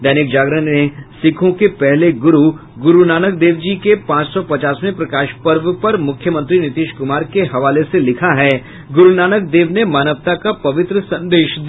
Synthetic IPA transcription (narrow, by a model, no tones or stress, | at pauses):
d̪ɛːnɪk̚d͡ʒaːɡɾənnesɪkʰõkepɛɦleɡʊɾu | ɡʊɾunaːnək̚d̪eːʋd͡ʒikepãːt͡ʃsɔpɐt͡ʃaːsmẽpɾɐkaːʃpɐɾʋəpɐɾmʊkʰjəmə̃nt̪ɾinɪt̪ɪːʃkʊmaːɾkeɦɐʋaːleselɪkʰaɦɛ | ɡʊɾunaːnək̚d̪eːʋnemaːnəʋt̪akapɐʋɪt̪ɾəsɐ̃nd̪eːʃd̪